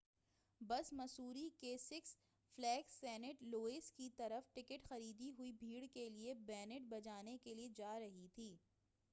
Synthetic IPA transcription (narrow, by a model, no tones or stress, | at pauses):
bɐsmɐsuːɾikeːsɪks | flɛːksɛːnɪʈloːeːskit̪ɐɾəfʈɪkəʈxɐɾiːd̪iɦʊibʱiːɽkeliebɛːnɪʈ̚bɐd͡ʒaːnekelied͡ʒaːɾɐɦit̪ʰiː